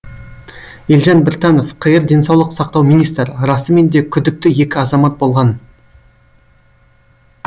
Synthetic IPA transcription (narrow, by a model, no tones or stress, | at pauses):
jelʒɑnbɪɾt̪ɑno̞fqʰəjəɾd̪e̞nsɑwlˠəqsɑqt̪ɑwmijnijst̪ɾəɾɑsəme̞nd̪e̞kʲʰʏd̪ɪk̚t̪ɪje̞kʲɪɑzɑmɑt̪̚bo̞lˠʁɑn